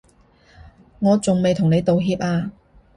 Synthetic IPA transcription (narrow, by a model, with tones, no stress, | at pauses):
ŋɔː˨˧t͡sʊ˨ŋme˨jt̪ʰʊ˨˩ŋne˨˧jt̪o˨wɦiː˧p̚aː˧